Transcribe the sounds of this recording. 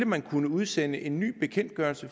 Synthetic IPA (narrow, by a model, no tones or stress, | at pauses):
ləmænkʰunəuðˠsenəʔe̝nːy̰ːb̥e̝kʰen̰d̥̚ɡ̥ɶɐlsə